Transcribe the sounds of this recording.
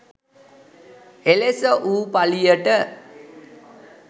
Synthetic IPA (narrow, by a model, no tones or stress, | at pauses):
elesəʔuːpalijəʈə